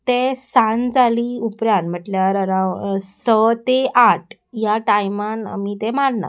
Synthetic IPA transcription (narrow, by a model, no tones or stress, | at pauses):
t̪esãnd͡zʱaliupɾjanm̤əʈljaɾəɾãsət̪eʔaʈʰ | jaʈajmana̰mit̪ɛmaɽna̰